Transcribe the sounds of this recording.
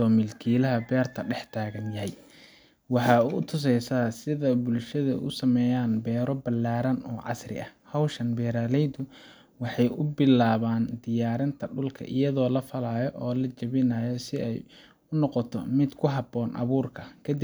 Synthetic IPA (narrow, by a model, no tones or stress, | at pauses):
ɔːmɪlkʰiːlɐɦɐbɛːrt̪ʰɐɖɛħt̪ʰaːɣɐnjɐɦɛj | wɑħɑːuʊt̪ʰʊs̬ɛjsaːsɪðɐbʊlʃɐðɐ̰ʔʊ̰sɐmɛːjaːnbɛːɾɔbɐlːaːɾɐnɔːʕɑ̰srɪ̰ʔɐhhɐwʃɐnbɛːɾaːlɛjd̪ʊ | wɑħɑjʊbɪlaːβaːnd̪ɪjaːɾɐnt̪ʰɐɖʊlkʰɐ̰ʔɪjɐðɔːlɐfɐlaːjɔʔɔːlɐt͡ʃɐβɪnaːjɔsɪɛj | ʊnɔqɔt̪ʰɔ̰mɪd̪kʰʊɦɑbɔːnʔɑ̰βuːrkʰɐkʰɐd̪ɪ